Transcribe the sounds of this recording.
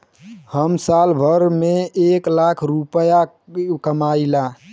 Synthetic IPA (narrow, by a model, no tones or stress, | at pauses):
həmsalbʱəɾmeeklakʰɾupəja | kəmaila